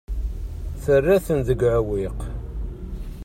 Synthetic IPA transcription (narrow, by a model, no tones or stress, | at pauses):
θərːæθənzəɡʕəwiq